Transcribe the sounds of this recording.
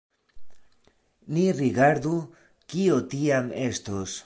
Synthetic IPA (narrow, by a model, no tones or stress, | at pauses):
niɾiɡaɾdu | kio̞tiame̞stos